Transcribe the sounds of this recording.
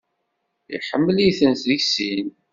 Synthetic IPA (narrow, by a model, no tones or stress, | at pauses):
ḭħəmːəliθənt̪ðiçsin